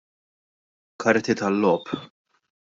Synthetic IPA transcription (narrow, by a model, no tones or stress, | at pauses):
kɐɾt̪it̪ɐlːɔːp